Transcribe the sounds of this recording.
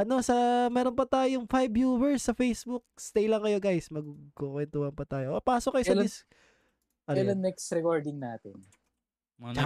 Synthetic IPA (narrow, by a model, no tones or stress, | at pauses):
ʔɐno̞sɐmɛːɾonpɐt̪aːjoŋfajbjuːbɛɹsːɐfejsbuk̚st̪ejlɐŋkɐjo̞ɡajsmɐɡuɡkokwɛnt̪uːhɐnpɐt̪aːjoʔpaːsok̚ːɐjosɐdɪs | ʔɐnɛlɐnnɛkst̪ɾɛkoɹd̪ɪŋnaːt̪ɪn